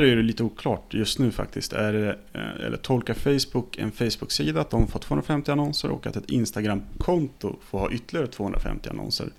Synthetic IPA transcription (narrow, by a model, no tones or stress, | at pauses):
æɾææɖɛliːt̪əuːkʰlɑːʈjɵst̪nʉ̟ːfa̰k̚t̪ɪst̪æɖɛɛ̰lːə̰ʈʰɔlkafɛjsbʊkːɛ̰nfɛjsbʊksiːd̪at̪̚d̪ɔmfoːt̪ʰvoːhənɾafɛmt̪ɪanɔnsə̰ɾʔɔ̰kːa̰t̪ɛt̪ɪ̰nst̪aɡɾamkʰɔnt̪ʊ̰foːɾhɑ̰ːʔʏt̪ːəlɪɡaɾət̪ʰv̥oːɵnɾa̰fɛ̰mt̪ɪa̰nɔ̰nsə̰ɾ